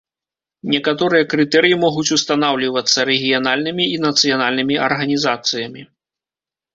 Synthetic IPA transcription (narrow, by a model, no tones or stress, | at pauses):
nʲɛkat̪ɔɾɨjɐkɾɨt̪ɛɾɨjimɔɣut͡sʲust̪anawlʲivɐt̪sːɐɾɛɣʲijanalʲnɨmʲiinɐt̪sɨjanalʲnɨmʲiʔɐ̰rɣɐnʲizat̪sɨjɐmʲi